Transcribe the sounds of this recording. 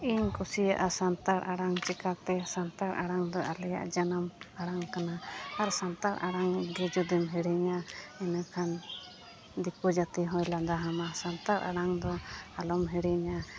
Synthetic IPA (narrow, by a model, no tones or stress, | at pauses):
iɲkusijaʔasant̪aɾaɽaŋt͡ʃɛkat̪ɛsant̪aɾaɽaŋd̪ɔʔalɛja̰ʔd͡ʒanamaɽaŋkanaaɾsant̪aɾʔaɽaŋɡɛd͡ʒud̪imɦɛɽiɲaɛnakʰan | d̪ikud͡ʒat̪iɦɔ̃jlad̪aɦamasant̪aɾʔa̰ɽaŋd̪ɔalɔmɦɛɽiɲa